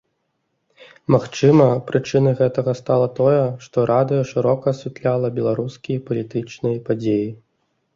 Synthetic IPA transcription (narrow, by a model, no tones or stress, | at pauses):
maxt͡ʂɨmɐpɾɨt͡ʂɨnɐjɣɛt̪ɐɣɐst̪alˠɐt̪ɔjɛʂt̪ɔɾʔad̪ɨjɐʂɨɾɔkɐːsʲvʲɛt̪lʲalˠɐbʲɛlˠaɾuskʲijɐpɐlʲit̪ɨt͡ʂnɨjɐpad͡zʲeji